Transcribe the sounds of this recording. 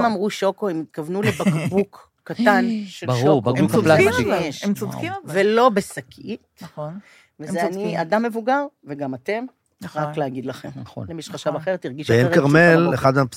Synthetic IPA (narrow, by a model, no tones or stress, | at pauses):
mamʁuʃo̞koimit̪̚kavnulebakbukː | at̪anʃebʃʁubauaeʃmivelo̞besakʰit | vezaniadamːe̞vuɡaʁveɡamate̞m | ʁakleaɡid̪laχemn̰nlemiʃχaʃavaχeʁet̪iʁɡiʃeenkaʁmeleχad̪map